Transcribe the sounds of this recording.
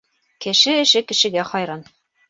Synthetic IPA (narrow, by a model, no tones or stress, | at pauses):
kɘ̆ʃɘɘ̆ʃɘkɘ̆ʃɘ̆ɡæχɒjɾɑn